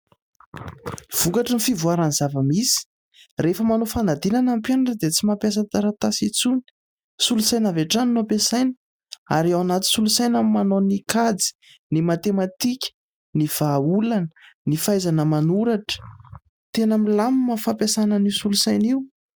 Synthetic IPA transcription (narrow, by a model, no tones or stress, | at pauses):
v̥ukaʈ͡ʂənifivuaɾanzavəmisi̥ | refəmanofanad̪inanampjanaʈ͡ʂəd̪et͡simapjas̬at̪aɾat̪asit͡suni̥ | sulusajnavaʈ͡ʂaninopesajni̥ | a̰ɾiawanat̪i̥sulusajnammanonikad͡zi̥ | nimat̪emat̪ikʲə̥ | niv̥aulanənifajzanəmanuɾaʈ͡ʂə̥ | t̪enəmilamimafapjasanənisulusajniw